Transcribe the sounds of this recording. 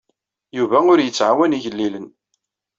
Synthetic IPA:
juvæʊɾjət͡sːʕawæniʝəlːilən

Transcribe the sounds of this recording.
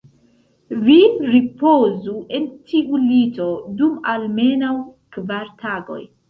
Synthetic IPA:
viɾipozuʔe̞ntʰiʔulito̞dumalme̞nawkvaɾtʰaɡo̞̰j

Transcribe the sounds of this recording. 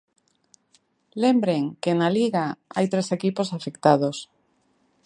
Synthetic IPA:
lembɾeŋkenaliɣaa̰jt̪ɾesekiposafekt̪að̞os

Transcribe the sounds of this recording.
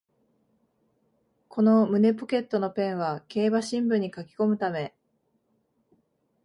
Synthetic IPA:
kʰo̞no̞mɯ̟ne̞po̞ke̞t̪ːo̞no̞pẽ̞ɰ̃βake̞ːbaɕĩmbɯ̟̃ɲ̟ːikakʲi̥ko̞mɯ̟t̪ame̞

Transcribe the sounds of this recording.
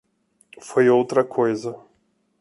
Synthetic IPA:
fojowt̪ɾɐkʰojzɐ

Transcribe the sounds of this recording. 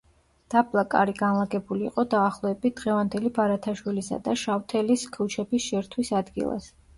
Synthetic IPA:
d̪̥abʼlˠakʼa̰ɾiɡanlˠaɡɛbulḭːqʼɔd̪aːχlˠɔɛbit̪̚d̪ʁɛvand̪ɛlibaɾat̪ʰaʃwilisa̰d̪aʃaft̪ʰɛliskʰut͡ʃʰɛbisʃɛɾt̪ʰwisad̪ɡḭlˠa̰s

